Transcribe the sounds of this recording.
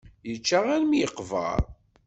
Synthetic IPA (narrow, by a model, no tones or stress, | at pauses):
jət͡ʃːaʁænmjəqvə̰ɾˤ